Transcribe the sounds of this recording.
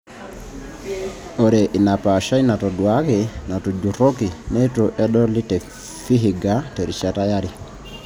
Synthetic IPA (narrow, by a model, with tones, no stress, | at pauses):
o˨ɾɛ˨ʔi˨na˨pa˨ʃa˦i˦na˨tɔ˨dwa˦ke˨na˨tɔ˨d͡ʒu˨ɾo˦ki˨nɛ˦to˨ʔɛ˦ɗɔ˦li˦tɛ˨ | fi˦ɦi˨ɡa˦tɛ˨ɾi˨t͡ʃa˦ta˦ja˦ɾi˨